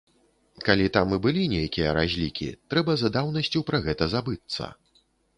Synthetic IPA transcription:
kalʲit̪amɨbɨlʲinʲejakʲijɐɾazʲlʲikʲḭt̪ɾɛbɐzɐd̪awnɐsʲt͡sʲuwpɾɐɣɛt̪ɐzabɨt̪sːɐ̰

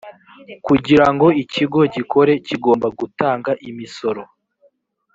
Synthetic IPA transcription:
kuɟiɾaŋɡo̞iciɡo̞ɟikʰo̞ɾe̞ciɡo̞ːmbaɡutaːŋɡaʔimiso̞ɾo̞

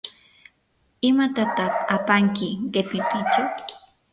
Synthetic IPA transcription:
ɪmat̪at̪aχapaŋkɪɢepɪp̪ɪt͡ʃa

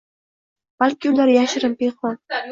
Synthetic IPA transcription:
b̥alkʲiʊlaɾjaʃɾɨmpeχɒ

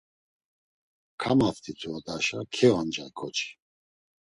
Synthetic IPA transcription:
kʰamaft̪ʰit̪ʰuɔd̪aʃakʰɛvand͡ʒaikʰɔt͡ʃʰʼi̥

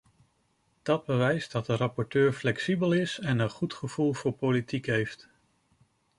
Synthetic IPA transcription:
d̥ɑd̚bəʋɛjzdɑt̚dərɑpɔɹtøːɹflɛksibəlˠɪsɛnənχutχəv̥ulˠv̥ʊːɹpolitikɦejft

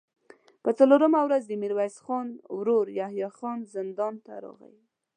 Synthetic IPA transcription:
pət͡saloɾəmawɾazd̪əmiɾwajsxɑnwɾoɾjahjɑxɑnzɪnd̪ɑnt̪a̰ɾɑ̰ɣə̰wi

